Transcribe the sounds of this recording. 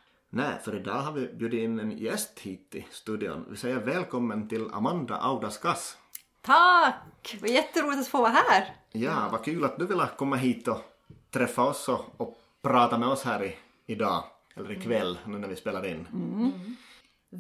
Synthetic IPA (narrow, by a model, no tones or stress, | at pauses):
næɪfœɾɪd̪ɑːɦaɾvɪbjʉ̟ːd̪ɪɪnːɛnjɛst̪hiːt̪ɪ̰st̪ʉːd̪ɪɔ̰nvɪ̰sɛjːəɾvɛːlkʰɔmːənt̪ʰɪla̰mand̪a̰ʔaʊd̪askas | t̪ʰakvajɛt̪ːəɾuːlɪt̪at̪foːaɦæːɾ | jɑːvakʰʉ̟ːlat̪̚d̪ɵvɪlːakʰɔmːaɦiːt̪ɔ | t̪ʰɾɛfːaɔsːɔɔ | pʰɾɑːt̪amɛɔshæːɾɪ | ɪd̪ɑː | ɛlːəɾɪkʰvɛlːnʉːnæɾvɪspeːlaɾɪnː